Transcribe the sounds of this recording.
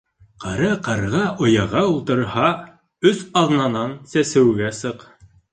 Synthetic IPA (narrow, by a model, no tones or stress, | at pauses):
qʰɑɾɤqɑɾʁɑʔŏjɑʁɑulˠt̪ɤ̆ɾhɑ | ɵθɑðnɑnɑnsæsɘ̆wɡæsɤq